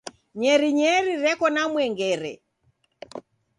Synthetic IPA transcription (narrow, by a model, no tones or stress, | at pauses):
ɲɛɾiɲɛɾiɾɛkɔnamwɛŋɡɛɾɛ̰